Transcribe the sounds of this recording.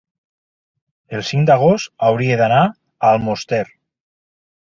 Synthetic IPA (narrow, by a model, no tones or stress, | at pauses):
elˠsiŋd̪aɣ̞ost̪awɾieðana | alˠmost̪eɾ